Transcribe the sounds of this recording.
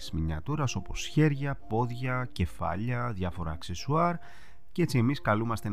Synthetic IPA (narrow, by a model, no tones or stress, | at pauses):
zmiɲɐ̰t̪uɾɐso̞po̞sçe̞ɾʝɐpo̞ðʝɐce̞fɐ̰ʎɐðʝɐfo̞ɾɐːkse̞suɐɾ | cee̞t͡sie̞miskɐlumɐst̪e̞